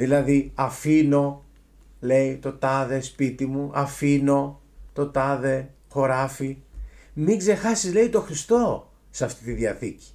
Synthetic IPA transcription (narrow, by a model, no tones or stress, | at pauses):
ðilɐðiɐfino̞ | le̞it̪o̞t̪ɐðespit̪imuʔɐfino̞ | t̪o̞t̪ɐðe̞ | xo̞ɾɐfimiɡze̞xɐsizle̞it̪o̞xɾist̪o̞ | sɐft̪it̪iðjɐθici̥